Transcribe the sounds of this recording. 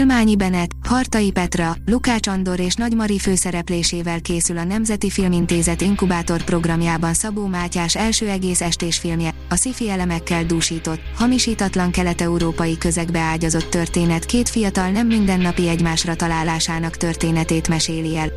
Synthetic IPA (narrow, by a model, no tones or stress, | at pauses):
lmaːɲibɛnɛt̪hɒrt̪ɒipɛt̪rɒlukaːt͡ʃɒnd̪o̞ɾeːʃnɒɟmɒɾiføːsɛɾɛpleːʃeːvɛlkeːsylɒnɛmzɛt̪ifilmint̪eːzɛt̪iŋkubaːt̪o̞rpro̞ɡrɒmjaːbɒnsɒboːmaːcaːʃɛlʃøːɛɡeːsɛʃt̪eːʃfilmjɛ | ɒsifiɛlɛmɛkːɛld̪uːʃiːt̪o̞t̪hɒmiʃiːt̪ɒt̪lɒŋkɛlɛt̪ɛuɾoːpɒjikøzɛɡbɛaːɟɒzo̞t̪ːø̞rt̪eːnɛt̪keːt̪fijɒt̪ɒlnɛmːind̪ɛnːɒpiɛɟmaːʃrɒt̪ɒlaːlːaːʃaːnɒkt̪ø̞rt̪eːnɛt̪eːt̪mɛʃeːliɛl